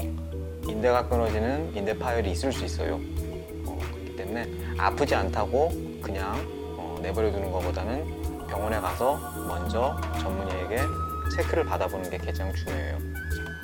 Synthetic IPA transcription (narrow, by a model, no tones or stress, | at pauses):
inde̞ɡak͈ɯnʌd͡ʑinɯninde̞pʰajiɾiːs͈ɯɭs͈uis͈ʌjo̰ | ʌkɯɾʌkʰi̥t͈e̞mune̞ | a̰pʰɯd͡ʑiantʰaɡo | kɯɲaŋ | ʌne̞bʌɾjʌtunɯnɡʌp͈odanɯn | pjʌŋʌne̞kasʰʌ | mʌnd͡ʑʌt͡ɕʌmmuɲieɡe̞ | t͡ɕʰe̞kʰɯɾɯɭpadabonɯnɡe̞ked͡ʑaŋt͡ɕuɲoḛjo̰